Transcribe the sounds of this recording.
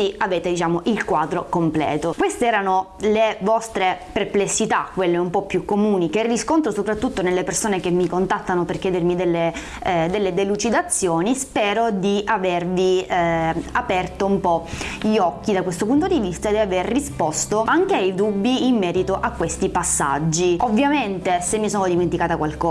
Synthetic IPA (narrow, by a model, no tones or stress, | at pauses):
iaveːt̪ed̪it͡ʃaːmoʔilkwaːd̪ɾokomplɛ̰ːt̪okwest̪eɛːɾanolevɔst̪ɾeperplesːit̪akːwelːeumpɔpːjukːomuːnikerːiskont̪ɾosopɾat̪ːut̪ːonelːepersoːnek̟emːikont̪at̪ːanoperkjɛːd̪ermid̪elːe | d̪elːed̪elut͡ʃid̪at̪sːjoːnispɛːɾod̪iʔavervi | apɛrt̪oumpɔʎiɔk̟ːid̪akwest̪op̬unt̪od̪ivist̪ad̪ɛaverːispɔst̪oaŋk̟eaid̪ubːiimːɛːɾit̪oʔakːwest̪ipasːa̰d͡ʒːiovːjament̪esemːisoːnod̪iment̪ikaːt̪akwalkɔ